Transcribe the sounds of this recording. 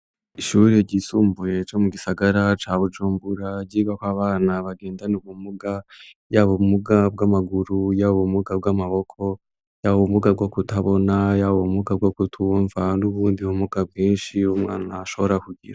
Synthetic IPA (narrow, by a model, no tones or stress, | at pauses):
iʃuɾeɟiːsuːmbuje̞t͡ʃomuɡisaɡaɾat͡ʃaːβud͡ʒuːmbuɾaɟiːɡakaβaːnaβaɡe̞ːndanuβumuɡajaβumuɡab̚ɡamaɡuɾujaβumuɡab̚ɡamaβo̞kʰo̞ | jaβomuɡab̚ɡo̞kutaβo̞najaβomuɡab̚ɡokutʰuɱvanuβuːndihumuɡ̥abɡiːnʃiumŋa̰ːnaaʃo̞βoɾakuɟḭɾa